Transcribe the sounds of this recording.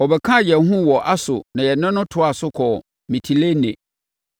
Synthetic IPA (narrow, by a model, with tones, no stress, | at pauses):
ɔ˨bɛ˨kʰã˦˨jɛ˨˦ɦũ˦wɔ˨ʔa˦sʊ̰˨nã˨jɛ˨nɪ̃˦nʊ̃˦tʰʊ˨˦a˨sʊ˦kʰɔ˨ | mĩ˨tʰi˨le˦nɛ̃˨